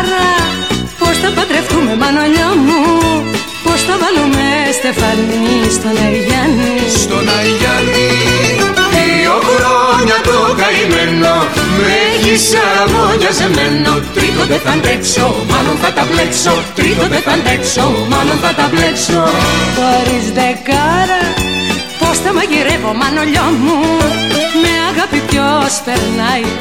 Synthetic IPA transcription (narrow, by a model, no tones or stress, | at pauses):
ɾɐpost̪ɐp̪ɐd̪ɾeft̪umemɐnoʎomu | post̪ɐvɐlumest̪efɐnist̪onɐiʝɐnisst̪onɐʝɐni | i | okɾoɲɐt̪okɐimenːomeʝisemoɲɐzemenːot̪ɾit̪ot̪et̪ɐnd̪eksomɐnoŋkɐt̪ɐpleksot̪ɾit̪ooðt̪ek̪ɐnd̪eksomɐnoŋk̪ɐt̪ɐpleksoðoɾizðekaɾɐ | post̪ɐmɐʝiɾevomɐnoʎomu | meɐɣɐpit̪jospeɾnɐj